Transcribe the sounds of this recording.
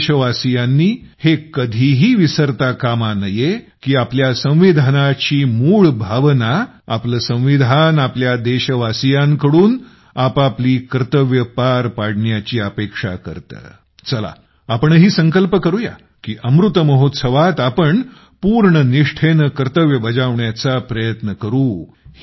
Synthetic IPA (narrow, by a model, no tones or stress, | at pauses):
ɕəʋasijanːiːhekəd̪ʱiɦiːʋisəɾt̪akamanəje | kiːapljasə̃w̃ʋid̪ʱanat͡ɕiːmuːɭbʱaʋna | a̰pləsə̃w̃ʋid̪ʱanapljad̪eɕəʋasijaŋkəɽuːn | apapliːkɾət̪əʋjəpaɾpaɽɳjat͡ɕiːəpekʂa̰kə̰ɾt̪ə̰ | t͡səla̰ | apəɳɦiːsə̃ŋkəlpəkəɾuja̰ | kiːʔəmɾut̪əməɦot̪səʋat̪apəɳ | puɾɳəniʂʈʰenəkɾət̪əʋjəbəd͡zaʋɳjat͡sapɾəjət̪nəkəɾuː